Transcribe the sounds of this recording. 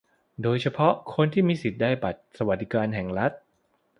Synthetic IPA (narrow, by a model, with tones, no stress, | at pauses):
doː˧jt͡ɕʰa˧pʰɔ˦˥ʔkʰo˧nt̪ʰiː˥˩miː˧si˨˩t̪̚daː˥˩jpa˨˩t̪̚sa˧wa˨˩t̪̚di˦˥˩kaː˧nɦɛ˨˩ŋɾa˦˥t̪̚